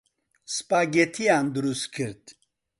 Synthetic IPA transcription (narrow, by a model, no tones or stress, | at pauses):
spʼaɡɛt̪ʰijand̪ɨɾuskʰɨɾd̪